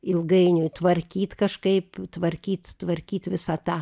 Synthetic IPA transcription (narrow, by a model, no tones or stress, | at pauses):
ɪlˠɡɐɪnʲʊjt̪ʋɐrʲkʲiːt̪kɐʃkɐɪpt̪ʋɐɾʲkʲiːt̪t̪ʋɐrʲkʲiːt̪ʋʲɪsɐt̪ɑː